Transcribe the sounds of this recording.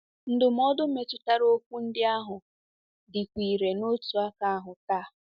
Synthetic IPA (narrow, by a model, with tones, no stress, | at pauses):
n̩˦dʊ˨m̩˦ɔ˦dʊ˦me˨tʊ˨ta˦ɾo˦k̚ʷu˦n̩˦dɪ˦a˦ɦʊ˨ | dɪ˨kʷi˨ɾe˨no˦tu˨a˦ka˨a˦ɦʊ˨ta˦